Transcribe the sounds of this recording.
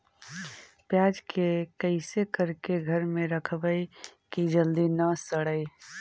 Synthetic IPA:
pjaːd͡ʒkekəɪsekəɾkeɡʱəɾmẽɾəkʰbəikid͡ʒəld̪inəsəɽəi

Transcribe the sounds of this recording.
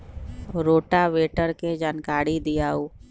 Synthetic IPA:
ɾoːʈaʋeːʈəɾked͡ʒaːnkaːɾid̪ɪjaːuː

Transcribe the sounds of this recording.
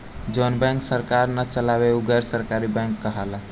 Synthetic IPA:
d͡ʒonbɛ̃ŋksəɾkaɾnət͡ʃəlabeuɡəɾsəɾkaɾibɛ̃ŋkːəɦalã

